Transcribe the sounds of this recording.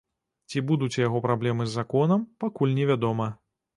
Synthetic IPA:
t͡sʲibud̪ut͡sʲjaɣɔpɾablʲɛmɨzːakɔnɐmpakulʲnʲɛvʲad̪ɔmɐ

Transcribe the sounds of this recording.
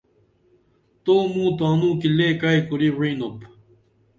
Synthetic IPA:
t̪oːmũːt̪oanũːkileːkajkuɾiɹinop

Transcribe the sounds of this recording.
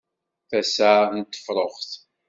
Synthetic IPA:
θæsant̪ːə̥fɾˤoχθ

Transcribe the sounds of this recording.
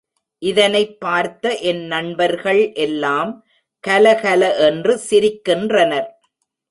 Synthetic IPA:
ʔɪðɐnɐɪpːaːɾt̪ɐʔɛnnɐɳbɐɾɣɐɭʔɛlːaːm | kɐlɐkɐlɐʔɛndrɯsɪɾɪkːɪndrɐnɐɾ

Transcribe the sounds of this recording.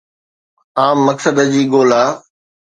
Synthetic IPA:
aːmːɐksəd̪d͡ʑiːɠoːlaː

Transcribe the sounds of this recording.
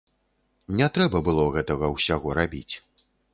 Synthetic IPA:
nʲɛt̪ɾɛbɐbɨlˠɔɣɛt̪ɐɣɐwsʲaɣɔɾabʲḭt͡sʲ

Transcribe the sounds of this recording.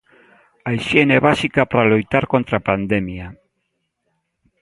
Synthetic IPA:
ajʃjeneβasikapaɾalojt̪aɾkont̪ɾapand̪emja

